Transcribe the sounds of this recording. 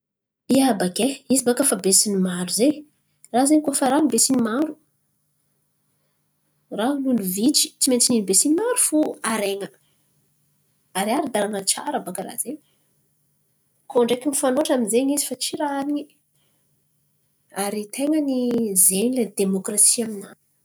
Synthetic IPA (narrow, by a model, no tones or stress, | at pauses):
iabakeizibakəfabesinimaɾuze | razeɲkofaɾanibesinimaɾu̥ | raluluvit͡ʃi̥t͡siment͡sininibesinimaɾufuaɾeŋə | aɾiaɾid̪aɾanət͡ʃa̰ɾəbakəɾa̰z̥eɲ | koɳɖ͡ʐekʲimifanoʈ͡ʂaminzeɲizifat͡siɾaaɾiɲi | aɾit̪ʰeŋənizeniled̪emokrasiaminanu̥